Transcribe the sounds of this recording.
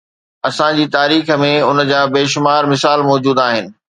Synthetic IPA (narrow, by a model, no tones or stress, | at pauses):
ɐsãd͡ʑiːt̪aːɾiːxə̆mẽʊn̆d͡ʑaːbeːʃʊmaːɾmɪsaːlmɔːd͡ʑuːd̪aːɦɪnɪ̆